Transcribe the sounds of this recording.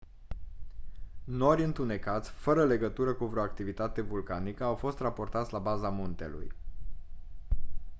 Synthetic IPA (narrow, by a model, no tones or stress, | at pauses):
no̞ɾʲjɨnt̪une̞kat̪sʲfəɾəle̞ɡət̪uɾəkuvɾeoakt̪ivit̪at̪e̞vulkanikəawfo̞st̪rapo̞rt̪at̪sʲlabazamunt̪e̞̰lṵj